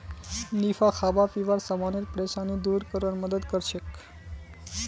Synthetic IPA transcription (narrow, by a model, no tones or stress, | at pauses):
nifaxʰabapiʋaɾsamaniɾpɾeʃanid̪uɾkəɾʋanməd̪əd̪kəɾʃek